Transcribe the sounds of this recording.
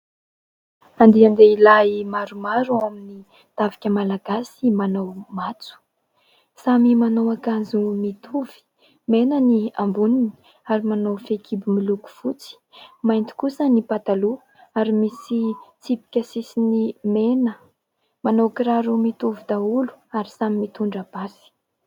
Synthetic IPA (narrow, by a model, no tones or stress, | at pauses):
and̪iand̪eilaimaɾumaɾuamini | t̪avi̥kʲəmalaɡasimanowmat͡su̥ | samimanowakazumit̪ʰuv̥i̥ | menəniambunini̥ | aɾimanowfekʰibimiluku̥fut͡si̥majnt̪i̥kusənipat̪alu | aɾimisit͡sipi̥kʲəsisinimenə | manowkɾaɾumit̪uvid̪aulu̥aɾisamimit̪uɳɖ͡ʐabasi̥